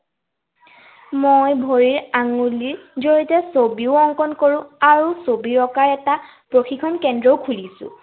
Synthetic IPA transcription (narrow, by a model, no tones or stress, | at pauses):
mojbʱoɹiɹaŋuliɹzoɹitɛsobiʊɔŋkɔnkoɹʊ̃aɹusobiɹɔkaɹɛta | pɹoxikʰɔnkɛndɹɔwkʰulisʊ̰̃